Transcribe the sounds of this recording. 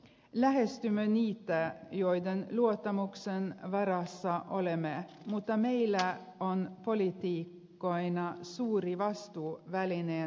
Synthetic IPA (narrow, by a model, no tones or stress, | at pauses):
læhɛst̪ʉmœniːt̪əjɔʏd̪ənluɔt̪ɑmʊksənʋɑɾɑsɑʔɔlɛme | mut̪ɑmeɪlə | ɔnpʰɔlɪt̪ikː | ɔɪnɑsuːɾiʋɑst̪uːʋælɪneː